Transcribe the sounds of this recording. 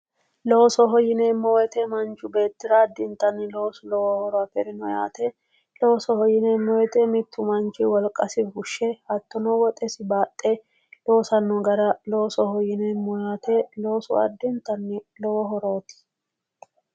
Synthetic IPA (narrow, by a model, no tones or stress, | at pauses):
loːsɔɦɔjɪneːmːɔwɛt̪ɛmɐnt͡ʃːʊbe̞ːt̪ːɪɾɐːd̪ːɪnt̪ːɐnːɪlo̞ːsʊlɔwɔhɔɾɔafɛɾɪnɔja̰ːt̪ɛ | loːsɔhɔjːɪneːmːɔwɛt̪ɛmɪt̪ʰːʊmɐnt͡ʃɪwɔlkʼːɐsɪbʊʃːɛhɐt̪ːɔnɔwɔt̪ʼɛsɪbaːt̪ʼːe | lo̞ːsɐnːɔɡɐɾɐlo̞ːsɔhɔjɪnemːɔjaːt̪elo̞ːsɔ̰ɐ̰d̪ːɪnt̪ːɐnːɪlɔwɔɦɔɾoɔt̪ɪ̥